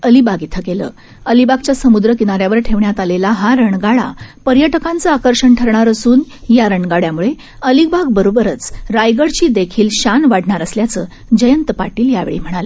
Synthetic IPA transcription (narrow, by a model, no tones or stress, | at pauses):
əlibaɡit̪ʰəkelə̰ː | əlibaɡ̚t͡ɕjasəmud̪ɾəkinaɾjaʋəɾʈʰeʋɳjat̪alelaɦaɾəɳɡaɭa̰pəɾjəʈəkãnt͡səakəɾɕəɳʈʰəɾɳaɾəsuːn | jaɾəɳɡaɽjamuɭe | əlik̚bʱaɡbəɾobəɾət͡sɾajɡəɽt͡ɕiːd̪ekʰiːlɕanʋaɽɳaɾəsljat͡səː | d͡ʑəjənt̪əpaʈiːljaʋḛɭḭːm̤əɽ̃alə